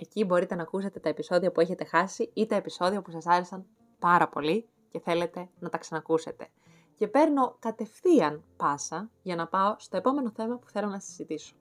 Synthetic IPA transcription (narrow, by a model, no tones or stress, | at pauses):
e̞cibo̞ɾit̪enɐːkuse̞t̪et̪ɐepiso̞ðiɐpue̞çe̞t̪exɐsiit̪ɐe̞piso̞ðiopusɐsɐɾe̞sɐn | pɐɾɐpo̞li | ce̞θe̞let̪e̞nɐt̪ɐksɐnɐkuse̞t̪e̞̥ | ce̞pe̞ɾno̞kɐt̪e̞fθiɐnpɐsɐʝɐnɐpɐo̞st̪o̞e̞po̞me̞no̞θe̞mɐpu̥θe̞lo̞nɐssizit̪iso̥